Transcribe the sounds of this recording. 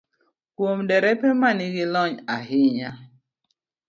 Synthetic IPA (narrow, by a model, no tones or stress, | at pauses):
kwomdɛɾɛpɛmanɪɡɪlɔɲaɦɪɲa